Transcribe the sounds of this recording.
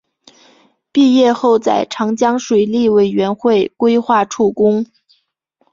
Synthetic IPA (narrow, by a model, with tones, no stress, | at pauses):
pi˥˧jɛ˥˧xo˥˧ʊt͡sa˥˩ɪʈ͡ʂʰɑ˧˥ŋt͡ɕjɑ˥ŋʂwe˨˩ɪli˥˩we˨˩ɪɥɛ˧˥nxwe˥˩ɪkwe˥ɪxwa˥˩ʈ͡ʂʰu˥˩kʊ˥ŋ